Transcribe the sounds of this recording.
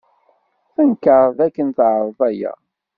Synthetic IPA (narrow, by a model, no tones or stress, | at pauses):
θənkəɾˤðækːənθʕɾˤvˤæjæ̰